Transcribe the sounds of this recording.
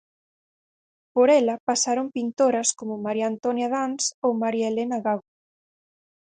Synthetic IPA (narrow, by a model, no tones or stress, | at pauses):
poɾɛlɐpasaɾompint̪oɾɐskomʊmaɾjant̪onjaðansowmaɾjaelenaɣaɣo